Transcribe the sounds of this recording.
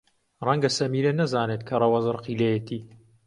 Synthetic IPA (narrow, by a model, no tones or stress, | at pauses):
rɐŋɡɐsɐmiːɾɐnɐzaːnet̪kʰɐrˤɐwɐzɨɾqʰilejet̪ʰiː